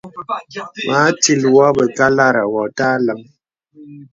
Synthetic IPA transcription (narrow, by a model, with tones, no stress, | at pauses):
ma˨˦ti˨lwɔ˦bə˨ka˦la˦ɾa˨wɔ˨ta˦lə˦m